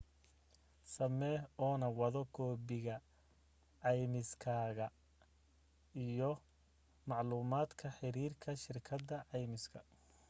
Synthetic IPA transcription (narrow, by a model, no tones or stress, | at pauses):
sɐmɛːɔːnɐwɐðɔɡʰɔːbɪɣɐ | ʕɑjmɪskʰaːɣɐ | ijɔ | mɑʕluːmaːd̪kʰɐħɪɾiːrkʰɐʃɪrkʰɐd̪ɐʕɑjmɪskʰɐ